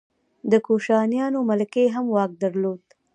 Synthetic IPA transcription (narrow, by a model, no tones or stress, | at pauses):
d̪əkoʃɑnjɑnomalkeɦamwɑk̚d̪aɾlod̪